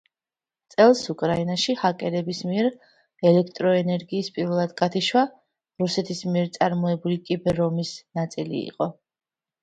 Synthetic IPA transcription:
t̪sʼɛlˠsukʼɾainaʃihakʼɛɾɛbismiɛɾ | ɛlɛkʰt̪ʼɾɔɛnɛɾɡiːspʼiɾvɛlˠad̪ɡat̪ʰiʃwa | ɾusɛt̪ʰismiɛɾt̪sʼaɾmɔɛbulikʼibɛɾɔmisnat̪sʼilḭːqʼɔ

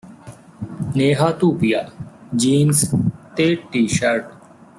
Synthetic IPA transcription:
neːɦaːt̪uːpijaːd͡ʑiːnst̪eːʈːiːʃɐɾʈ

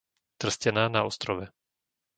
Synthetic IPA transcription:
t̪r̩scɛnaːnaɔst̪ɾɔʋɛ

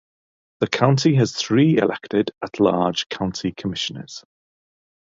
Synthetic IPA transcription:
ðəkʰãʊ̃ntiəz̥θɹiːɪ̰lʔɛ̰k̚tɪdəʔʰlɑ̰ːd̥ʒ̥kʰãʊ̃ntʰikʰəmɪʃənə̰z̥

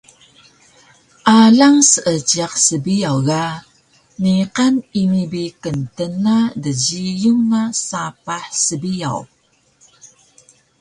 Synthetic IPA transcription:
ʔalaŋsəʔət͡ʃiaqsəbijawɣa | niqanimibikəntənadəɟijuŋnasapaħsəbija̰w

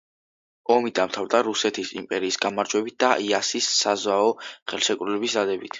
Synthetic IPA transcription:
ɔmid̪amt̪ʰavɾd̪aɾusɛt̪ʰisḭmpʼɛɾiːsɡamaɾd͡ʒwɛbit̪̚d̪aʔiasisːazwaɔχɛlˠʃɛkʼɾulɛbisd̪ad̪ɛbit̪ʰ

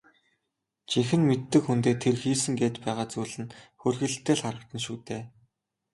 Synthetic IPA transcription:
t͡ɕixɘ̆nmet̪ːɘ̆kxunt̪eːt̪ʰerxiːsɘ̆ŋɡeːt̪pæːʁaːt͡suːɮɘ̆nxɵrʲɣɘ̆ɮt̪ʰːeːɮχaɾə̆k̚t̪ə̆nʃuːt̪eː

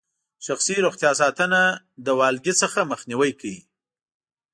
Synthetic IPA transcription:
ʃaxsiɾoxt̪jɑs̬ɑt̪əna | d̪əwɑlɡisəxaməxniwəjkʰawi

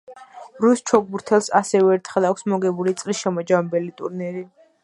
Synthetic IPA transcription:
ɾust͡ʃʰɔɡ̚buɾt̪ʰɛlˠsasɛvɛːɾt̪ʰχɛlˠakʷʰsmɔɡɛbulit̪sʼlisʃɛmɔd͡ʒamɛbɛlit̪ʼṵɾnɛɾi

